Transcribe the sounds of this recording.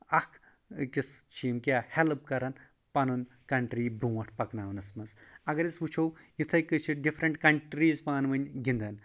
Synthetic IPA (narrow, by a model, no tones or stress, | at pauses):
ɐkʰ | kist͡ʃʰiːmkʲaːhelp̚kɐɾɐn | pɐnun | kɐɳʈɾiːbũːɐʈʰpɐknaːwnɐsmɐsɐɡɐɾʲit͡sʋut͡ʃʰowjit̪ʰɐjkɨt͡ʃʰiɖifʰɾɐɳʈkɐɳʈɾiːzpaːnʋɐnʲɡʲind̪ɐn